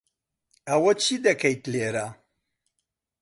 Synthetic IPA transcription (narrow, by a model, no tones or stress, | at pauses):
ɐwɐt͡ɕid̪ɐkɐjt̪leɾa